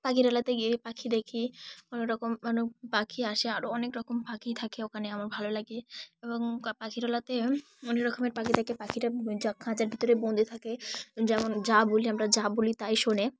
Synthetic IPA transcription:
pakiɾɔlat̪eɡiepakʰid̪ekʰikɔnoɾɔkomanopakʰiaʃeaɾoɔnekɾɔkompakit̪ʰakeokʰaneamaɾbʱalolaɡieboŋpakʰiɾɔlat̪e | ɔneɾɔkomeɾpakit̪ʰakepakʰiɾad͡ʑakʰãd͡ʑaɾbʱit̪oɾebond̪ʱit̪ʰaked͡ʑɛmond͡ʑaboliamɾad͡ʑabolit̪ajʃone

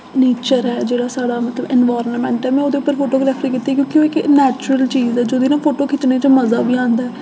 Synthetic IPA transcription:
neːt͡ʃəɾɛːd͡ʒeːɽaːsaːɽaːmət̪ləbɛnʋaːɾənmɛ̃ːɳʈɛːmɛ̃ːoːd̪eːʊpːəɾpʰoːʈoːɡɾɛːfʰɾiːkiːt̪ːiːkjõːkɪoːɪknɛːt͡ʃɾəlt͡ʃiːzɛːd͡ʒoːd̪iːnãːpʰoːʈoːkɪt̪neːt͡ʃəməzaːbiːãːnd̪aːɛː

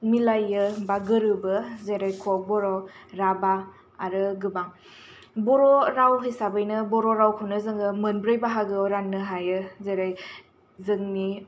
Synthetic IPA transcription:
milajɯbaɡɯɾɯbɯzeɾajkʰɔk̚bɔɾɔɾabaː | ɾɯɡɯbaŋ | bɔɾɔɾawɦisabɯjnɯbɔɾɔɾawkʰɯwnɯzɯŋɯmɯnbɾɯjbaɦaɡɯɾanːɯɦajɯzeɾaj | zɯŋmi

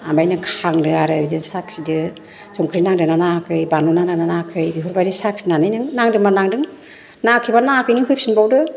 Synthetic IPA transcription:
ambajnɯkʰaŋdɯaɾɯbidɯnsak̚sidɯ | zɔŋkʰɾinaŋdɯnanakʰɯjbanunaŋnananakʰɯjbiɦuɾbaɾisak̚sinanɯjnɯŋnaŋdɯŋmanaŋdɯŋ | nakʰibanakʰɯjnɯŋɦup̚sinbawdɯ

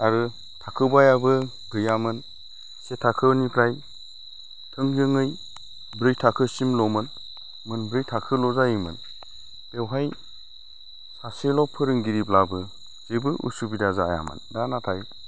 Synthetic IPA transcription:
aɾɯ | tʰakʰɯbajabɯ | ɡɯjamɯn | setʰakʰɯnipʰɾaj | tʰɯŋjɯŋɯj | bɾɯjtʰakʰɯsimlɔmɯn | mɯnbɾɯjtʰakʰɯlɔzajɯmɯ̰n | bewɦaj | saselɔpʰɯɾɯŋɡiɾiplabɯ | zɯbɯʔṵsubidazaja̰mɯ̰ndanatʰaj

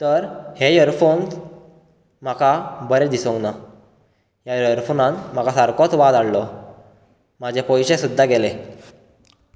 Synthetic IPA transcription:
t̪əɾhejəɾfons | m̤akabəɾed̪isɔ̃ŋkna | jajəɾfonãnt̪m̤akasaɾkɔt͡sʋad̪aɽlɔ | mad͡ʑʱepɔjɕesud̪ʱːaɡele

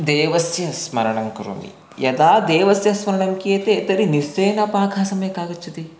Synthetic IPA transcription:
d̪eːʋɐsjɐsmɐɾɐɳɐŋkɾo̰ːmḭ | jɐd̪aːd̪eːʋɐsjɐsmɐɾɐɳɐŋkiet̪eːt̪ɐɾiniseːnɐpaːɡʰʱaːsɐmjkaːɡɐt͡ʃːit̪i

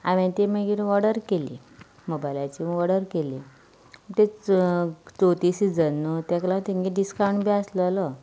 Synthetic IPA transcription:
aʋɛ̃t̪emeɡiɾʋɔɽəɾkelḭ | mobajlat͡ɕimʋɔɽəɾkeli | t̪e | t͡sot̪isid͡zənːut̪ɛ̃klat̪iŋɡiɖiskawɳɖbiəslələ

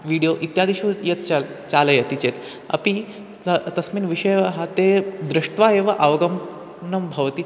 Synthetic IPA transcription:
ʋiɽijoʔit̪jad̪iɕujet̪at͡saləjet̪it͡ɕet̪ | ɐ̰pi | ət̪ɐsmiːnʋiɕəjɦat̪ed̪ɾiʂʈʋaeʋaʔɐʋɡəm | nəmbʱɐʋt̪iː

